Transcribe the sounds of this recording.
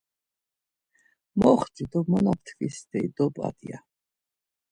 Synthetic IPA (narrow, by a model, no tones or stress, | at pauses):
mɔχt͡ʃid̪ɔmɔnap̚ʰt̪ʰvisd̪ɛid̪ɔba̰d̪ia̰